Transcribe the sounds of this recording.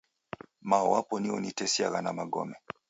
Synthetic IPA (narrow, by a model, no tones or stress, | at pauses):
maɔwapɔniɔ̰nitɛsiaɣanamaɡɔ̰mɛ